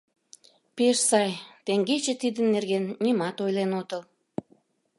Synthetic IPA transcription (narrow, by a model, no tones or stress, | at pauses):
peʃsɑjt̪eŋɡet͡ɕet̪id̪ənːerɣenːimɑt̪ojlenot̪əl